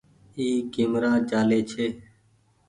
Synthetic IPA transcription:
iːɡɪmɾaːd͡ʒaːleːt͡ʃʰeː

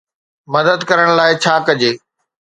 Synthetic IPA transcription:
mɐd̪əd̪kɐɾəɽ̃laːɪt͡ɕʰaːkɐd͡ʑeː

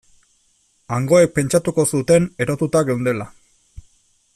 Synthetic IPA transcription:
aŋɡo̞e̞k̚pe̞nt͡ʃat̪uko̞sut̪e̞ne̞ɾo̞t̪ut̪aɣewnd̪e̞la

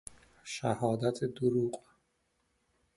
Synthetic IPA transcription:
ʃæhɒːd̪æt̪ʰed̪oɾuːq

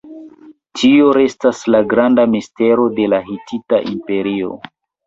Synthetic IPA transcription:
tio̞ɾe̞staslaɡɾandamiste̞ɾo̞de̞laɦitʰitaʔimpe̞ɾio̞̰

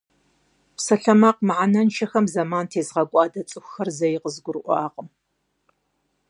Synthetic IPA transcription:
psɐɬɐmaːq̚mʕanɐnʃʰɐxɐmzɐmaːntʰeːzʁɐkʷʼɑːdɐt͡sʼɨxʷxɐrzɐjɪqəzɡʷʊɾɨʔʷɑːqʼəm

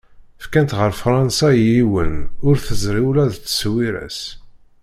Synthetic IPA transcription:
fkænt̪ʁəɾfɾˤɑnsæjiwənʊɾθəzɾiwlæðt͡sːə̥swiɾæ̰s

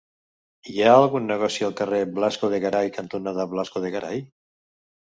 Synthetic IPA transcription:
aːlˠɣunːeɣ̞ɔsialˠkareblaskoðeɣaɾajkant̪unaðaβlaskoðeɣaɾa̰j

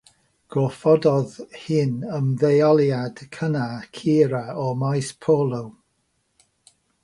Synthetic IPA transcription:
ɡ̥ɔfɔdɔðhɪnəmðejɔlˠjad̥kʰənakʰiːɾaɔmajspʰoːlˠow

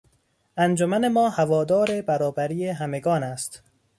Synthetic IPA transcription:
ʔænd͡ʒomæne̞mɒːhævɒːd̪ɒːɾe̞bæɾɒːbæɾiːeɦæme̞ɡɒːnæst̪

